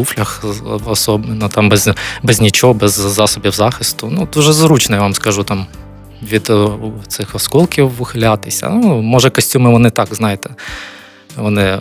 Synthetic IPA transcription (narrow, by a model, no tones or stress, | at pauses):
uflʲɐxɐsobʲɪnːət̪ambzʲbɛzʲnʲɪt͡ɕobɛzzasɔbʲɪvzaxʲɪst̪ʊnut̪ʊʐɛzɾut͡ɕnɐjvamskɐʐut̪am | ʋʲit̪t̪sɨxɐskolˠkʲɪʋʊxlʲat̪ɪjsʲɐ̰numoʐɛkɐsʲtʲumɨvɐnɪt̪akznajɪt̪ɛ̥ | vɐnɪ